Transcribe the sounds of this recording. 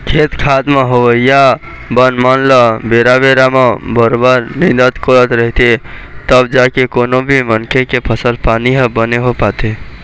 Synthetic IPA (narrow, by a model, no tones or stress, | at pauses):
kʰet̪kʰad̪meɦoʋəija | bənmanləbeɾabeɾamebəɾobəɾnĩd̪ət̪koɾət̪ɾəɦt̪et̪əbd͡ʒakekonobʱimənkʰekepʰəsəlpaniɦəbəneɦopat̪e